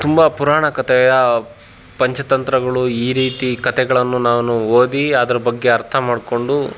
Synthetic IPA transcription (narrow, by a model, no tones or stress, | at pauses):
t̪umbɐpuɾaːɳɐkɐt̪ɛjɐ | pɐɲt͡ʃʰɐt̪ɐnt̪ɾɐɡɐɭuiːɾiːt̪ikɐt̪ɛɡɐɭɐnːunaːʋnuoːd̪iɐd̪ɐɾɐbɐɡːe̞ɐɾt̪ʰɐmaːɖko̞ɳɖu